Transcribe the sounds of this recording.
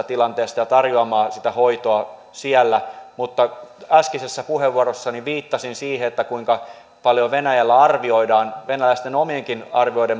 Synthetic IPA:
ɑt̪ilɑnt̪eːst̪ɑjɑt̪ɑrjoɑmɑːsit̪æhoit̪oɑ | siælːæmut̪ːɑæskisesːæpuheʋːuoɾosːɑniʋiːt̪ːɑsinsiːheet̪ːækuiŋkɑ | pɑljoʋenæjælːæɑrʋioidɑːnʋenælæist̪enomieŋkinɑrʋioidem

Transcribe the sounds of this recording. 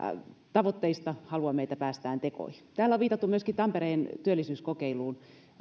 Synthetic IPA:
t̪ɑʋot̪ːeist̪ɑhɑluɑmeit̪æpæːst̪æːnt̪eko̰ihi̥t̪æːlːæoʋiːt̪ɑt̪ːumyøskit̪ɑmpeɾeːnt̪yølːisyːskokeiluːn

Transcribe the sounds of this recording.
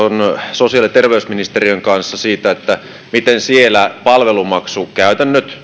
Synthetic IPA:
onsosiɑlit̪erʋeysminist̪eriøŋkɑnsːɑsiːt̪æet̪ːæ | mit̪ensielæpɑlʋelumɑksukæyt̪ænːøt̪

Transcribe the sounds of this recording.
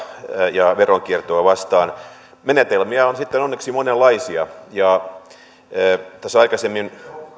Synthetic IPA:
jɑʋeroŋkirt̪oɑʋɑst̪ɑːn | menet̪elmiæonsit̪ːenonːeksimonelːɑisiɑjɑ | t̪æsːɑikɑsemːin

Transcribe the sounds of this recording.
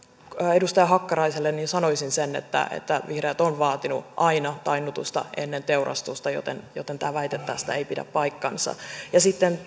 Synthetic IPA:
edust̪ɑjɑɦɑkːɑɾɑiselːenninsɑnoisinsenḛt̪ːæ̰ḛt̪ːæʋihreːt̪onʋɑːt̪inuʔɑinɑt̪ɑinut̪ust̪ɑ̰enːent̪eurɑ̰st̪ust̪ɑjo̰t̪ḛnjot̪ːent̪æːʋæit̪et̪ːæ̰ːsi̥t̪æeipidæ̰ppɑikːɑ̰nsɑ̰jɑsit̪ːen

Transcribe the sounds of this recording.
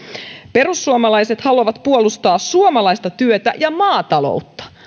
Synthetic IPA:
pe̞ɾusːuomɑlɑjset̪hɑlɑʋɑt̪puolust̪ɑːsuomɑlɑjst̪ɑt̪yøt̪æ̰jɑmɑːt̪ɑlo̰ut̪ːɑ̥

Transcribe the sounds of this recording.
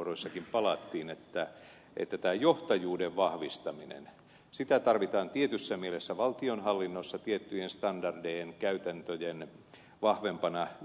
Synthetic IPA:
roisːɑkimpɑlɑt̪ːiːnet̪ːæ | ʔḛt̪ːæt̪æːjoht̪ɑjuːdeʋʋɑhʋist̪ɑminḛn | sit̪æt̪ɑrʋit̪ɑːnt̪iet̪ysːæmielesːæʋɑlt̪ionhɑlːinːosːɑt̪iet̪ːyjenst̪ɑndɑrdeeŋkæyt̪ænt̪øjen | ʋɑhʋempɑnɑ

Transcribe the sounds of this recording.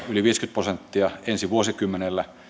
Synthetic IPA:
yliʋiːskyt̪̚prosent̪ːiɑensiʋuosikymːenelːæ

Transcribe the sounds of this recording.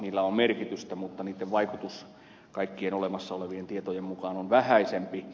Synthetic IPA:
niːlːæommerkit̪yst̪æmut̪ːɑniːt̪ːeʋʋɑikut̪us | kɑikːienolemɑsːɑoleʋient̪iet̪ojemmukɑːnonʋæhæisempi

